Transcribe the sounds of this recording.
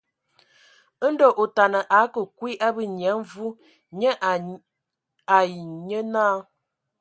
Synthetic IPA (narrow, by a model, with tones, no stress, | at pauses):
ə˦n̩˦dɔ˦˨ʔo˨ta˨nə˨ʔa˨˦kə˨kwi˦ʔa˦bə˦ɲ˨ɛ˨˦vu˦ | ɲə˦ | a˨ji˨ɲə˦naː˦